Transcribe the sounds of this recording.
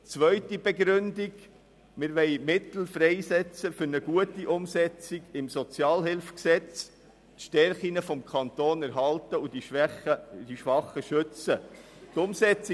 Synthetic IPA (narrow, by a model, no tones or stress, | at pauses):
t͡sʋœʏtibɛɡɾʏndiɡ | mɪɾʋɛɪmɪt̪l̩fɾɛɪsɛt͡səfʏɾnəɡuətiʔʊmsɛt͡siɡɪmsɔt͡sjɑːlɦɪlfksɛt͡s | tʃtɛɾχinəfɔmkʰɑntoːnæɾɦɑltəud̥iʃχədiʃʋɑχəʃʏt͡sət̪ʊmsɛt͡s